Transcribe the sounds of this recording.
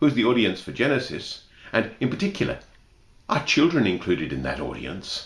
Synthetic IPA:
huɨzðiɔɹɾiɨ̃nsfə˞d͡ʒɛnɨsɨ̰s | ʔɨ̃nɨ̃npʰə˞tʰɪkjl̩ˠə̰˞ | ʔət͡ʃʰɪlˠdɹɨ̃nɨ̃nkʰl̥ʉɾɨɾɨ̃nðɨ̰ɾɔ̰ɾḭɨ̰̃ns

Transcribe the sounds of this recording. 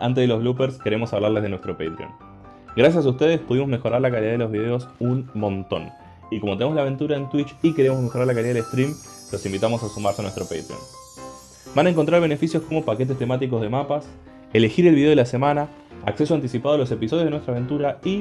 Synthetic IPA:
ʔa̰nt̪eðeloβlupeɾske̞ɾe̞mo̞saβlaɾle̞zðenwe̞st̪ɾo̞pejt̪ɾio̰n | ɡɾas̬jas̬aust̪e̞ð̞espuð̞imo̞zmexo̞ɾaɾlakaliðaðelo̞zβið̞e̞o̞sunmõ̞nt̪o̞̰n | ikomot̪e̞neozlaβe̞nt̪uɾaent̪wit͡ʃike̞ɾe̞mo̞szme̞xoɾaɾlakaliðaðelest̪ɾim | lo̞simbit̪amo̞sasumaɾseanwest̪ɾo̞pḛjt̪ɾḭo̰n | banaeŋko̞nt̪ɾaɾβe̞nefisjo̞sko̞mo̞pake̞t̪est̪e̞mat̪̬ik̬o̞zð̞e̞mapas | ele̞xiɾe̞lβiðe̞elase̞mana | akse̞soant̪isipaðalo̞s̬e̞piso̞ðjenwet̪ɾaβe̞nt̪uɾai

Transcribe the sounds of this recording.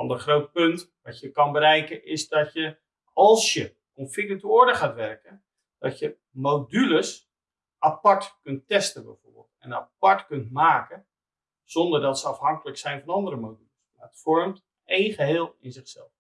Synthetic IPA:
ɑ̰ndərχrowt̚pɵnt | ʋɑtjəkɑnbəɾɛjkəɪzdɑtjə | ɑlˠsjə | kɔnfɪkətoːɹdəχaːtʋɛrkən | d̥ɑtjə | mowdyləs | ʔapɑɹtkɵntɛstəbɛ̰jvo̰rbɪ̰lˠtɛ̰na̰pɑɹtkɵntmaːkə | z̥ɔndərdɑtsəɑfhɑŋkələksɛjnvɑnɑndəɾəmowdyləsmaətfɔrmt | ejnχəɦɪːlˠɪnzɪχsɛ̰lˠf

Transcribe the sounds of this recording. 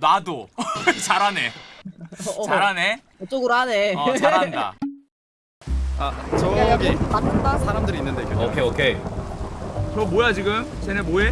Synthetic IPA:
nadot͡ɕaɾɦane̞ | t͡ɕaɾane | ot͡ɕ͈oɡɯɾoɦaneʌt͡ɕaɾanda̰ | at͡ɕʌtatʰɯdasʰaɾamdɯɾinːɯndekeokʰeokʰe | t͡ɕʌmojad͡ʑiɡɯm | t͡ɕenemoe

